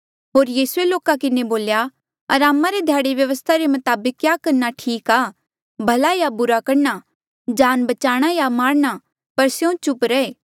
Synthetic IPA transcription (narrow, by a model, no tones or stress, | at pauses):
ɦoːɾjiːsueloːkakɪneboːlja | ɐɾaːmãɾed̪ʱjaːɽeʋjɐʋəst̪ʰaɾemɐt̪aːbəkːjaːkɐɾnaʈʰiːkaː | bʱɐlajabʊɾakɐɾna | d͡ʒaːnbɐt͡ʃaːɽ̃ajamaːɾña | pɐɾsjõt͡ʃʊpɾɛeː